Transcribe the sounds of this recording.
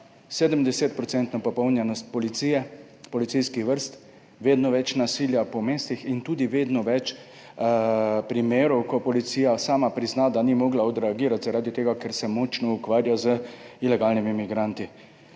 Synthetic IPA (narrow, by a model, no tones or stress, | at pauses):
seːd̪əmd̪ɛset̪̚pɾɔt̪sɛnt̪nɔpɔpɔwnjɛnɔst̪̚pɔlit̪siːjɛ | pɔlit̪sijskixʋəɾst̪ | ʋeːd̪nɔʋɛt͡ʃnasiːljapɔmeːst̪ixint̪uːd̪iʋeːd̪nɔʋɛt͡ʃ | pɾimeːɾɔwkɔpɔlit̪sijasaːmapɾiznad̪animɔɡlaɔd̪ɾɛaɡiːɾat̪zaɾaːd̪it̪eːɡakɛɾsɛmɔt͡ʃnɔukʋaːɾjazəilɛɡalnimimiɡɾant̪i